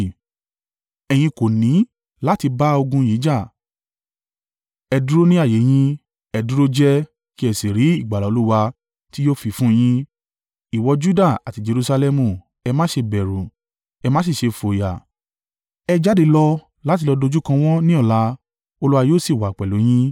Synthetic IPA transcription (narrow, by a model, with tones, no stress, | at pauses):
ɛ˧j̃ĩ˧ko˨nĩ˨˦ | la˦ti˧ba˦o˧ɡũ˧jiː˨˦d͡ʒa˦˨ | ɛ˧du˦ɾo˦nĩ˦a˦˨je˨˦j̃ĩ˧ | ɛ˧du˦ɾo˦d͡ʒɛ˦ | ki˦ɛ˧˨si˨ɾi˨˦i˦˨ɡ͡ba˨la˨o˨˧lu˦wa˧ | ti˦joː˦fi˨˧fũ˦˧j̃ĩ˧ | i˨wɔ˧d͡ʒu˦da˦˨a˨ti˧d͡ʒe˧ɾu˧sa˧lɛ˧mũ˦˨ | ɛ˧mãː˦ʃe˧bɛ˨ɾu˨ | ɛ˧mãː˦si˦˨ʃe˧fo˨ja˨ | ɛ˧d͡ʒa˦de˧lɔ˧ | la˦ti˧lɔ˧do˧d͡ʒu˦kã˧w̃ɔ̃˦nĩ˦ɔ˦˨la˧˦ | o˧lu˦wa˧joː˦˨si˦˨wa˨k͡pɛ˨lo˨˦j̃ĩ˦